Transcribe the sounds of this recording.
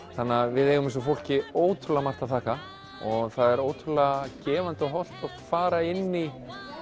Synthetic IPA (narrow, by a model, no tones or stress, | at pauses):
θanːavɪðɛjɣʏmɪns̬ɔfowl̥cɪoːwt̪ʰʏlamar̥t̪aθʰaːka | ɔɣθaðɛɾoːwt̪ʰʏlacɛːvant̪ɔɦɔl̥t̪ɔkfaːɾaɪnːi